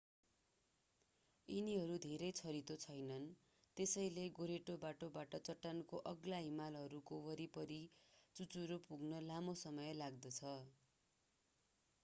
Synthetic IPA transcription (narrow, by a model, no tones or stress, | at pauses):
iniɦʌɾud̪ʱeɾʌjt͡sʰʌɾit̪ot͡sʰʌjnʌn | t̪esʌjleɡoɾeʈobaʈobaʈʌt͡sʌʈːankoʔʌɡlaɦimalɦʌɾukowʌɾipʌɾit͡sut͡suɾopuɡnʌlamosʌmʌjlaɡ̚d̪ʌt͡sʰʌ